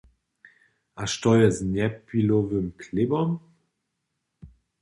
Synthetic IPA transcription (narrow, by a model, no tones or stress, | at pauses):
ʔaʃtɔjəznɛpilovəmkʰlɪbɔm